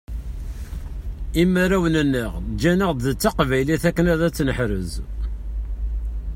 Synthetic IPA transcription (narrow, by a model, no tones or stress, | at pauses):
imːaɾæwnənːəʁd͡ʒænəʁðt͡sːaqvæjliθækːənæðæt͡sːnəħɾəz